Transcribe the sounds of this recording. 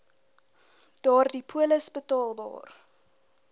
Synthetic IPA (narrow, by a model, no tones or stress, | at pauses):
d̥ɑːrdipʰuələsbətɑːlˠbɑ̰ːr